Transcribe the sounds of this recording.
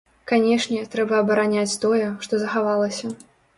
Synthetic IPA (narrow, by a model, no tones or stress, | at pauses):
kanʲɛʂnʲɛt̪ɾɛbɐːbɐɾanʲat͡sʲt̪ɔjɛʂt̪ɔzɐxavalˠɐsʲɐ